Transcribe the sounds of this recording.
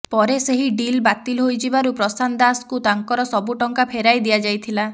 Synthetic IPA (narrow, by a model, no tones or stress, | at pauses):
pɔɾeseɦiɖilbat̪ilɦojd͡ʒibaɾupɾɔsand̪askut̪aŋkɔɾɔsɔbuʈɔŋkapʰeɾajd̪ijad͡ʒajt̪ʰila